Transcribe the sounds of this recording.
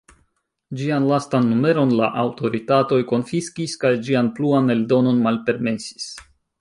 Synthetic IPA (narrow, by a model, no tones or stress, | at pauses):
d͡ʒianlastanːume̞ɾo̞nla̰ʔawto̞ɾitato̞jko̞nfiskiskajd͡ʒianpluane̞ldo̞no̞nmalpe̞ɾme̞si̥s